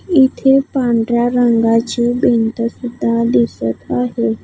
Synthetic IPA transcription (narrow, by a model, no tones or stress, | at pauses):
ɪt̪ʰepãːɳɖɾjaɾə̃ŋɡat͡ʃiːbẽnt̪əsɪd̪ʱãd̪ɪsət̪aːɦe